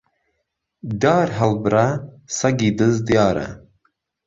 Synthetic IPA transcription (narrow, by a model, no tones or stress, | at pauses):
d̪ɑːɾɦɐlbɨɾa | sɐɡiːd̪ɨzd̪ijɑːɾɐ̰